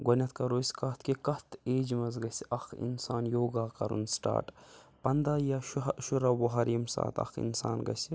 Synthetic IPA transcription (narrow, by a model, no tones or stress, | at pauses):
ɡɐnʲɐt̪kɐɾoːsʲkɐt̪ʰkikɐt̪ʰeːd͡ʒmɐzɡɐsɐxʰḭnsaːnjoːɡaːkɐɾṵnsʈa̰ːʈpɐnd̪ajaʃuɾɐwoɦɐɾiːmsa̰ːt̪ʰɐ̰xʰḭnsa̰ːnɡɐ̰si